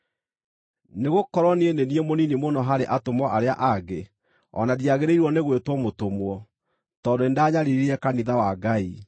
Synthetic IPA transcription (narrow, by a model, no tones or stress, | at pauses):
neɣokɔɾɔnieneniemoninimonɔɦaɾeʔatomɔʔaɾeaʔaɡe | ɔ̰nadiaɣeɾeiɾwɔneɣwetwɔmotomwɔ | tɔndoendaːɲaɾiɾiɛkaniðawaɡai